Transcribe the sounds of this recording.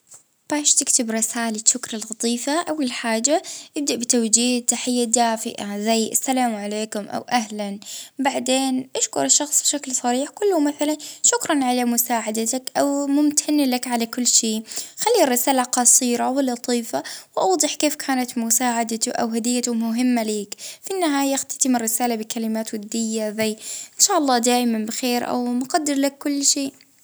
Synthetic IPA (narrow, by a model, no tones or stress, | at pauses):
b̥aːʃt̪ɪkt̪ɪbɾˤɪsaːlɪtʃʊkɾˤɑlɣɑt̪ˤiːfaʔawːalħaːd͡ʒaʔɪb̚d̪aʔbɪt̪awd͡ʒiːht̪aħɪjːad̪aːfɪ̰ʔazajːʔa̰sːalaːmʕaleːkʊmʔa̰wʔahlanbaʕd̪eːnʔaʃkʊɾɪʃːɑxsˤbɪʃaklsˤɑɾiːħkʊlːʊmaθalanʃʊkɾˤɑnʕalamʊsaːʕad̪at̪akʔawmʊmt̪ʰanːlakʕalakʊlːʃeːxalːirːɪsaːlaqɑsˤiːɾawɪlɑt̪ˤiːfawʔɑwd̪ˤɨħkeːfkʰaːnat̪mʊsaːʕad̪at̪ʊʔa̰wɦad̪ɪjːat̪ʊmʊɦɪmːaleːkfiʔɪnːɪɦaːjaxt̪ḁt̪ɪmɪrːɪsaːlabɪkalɪmaːt̪wad̪ːɪjːazajːʔɪnʃaːʔɑlˤːɑːd̪aːʔmanbɪxeːɾʔa̰wmʊqɑd̪ːɪɾlakːʊlːʃeːʔ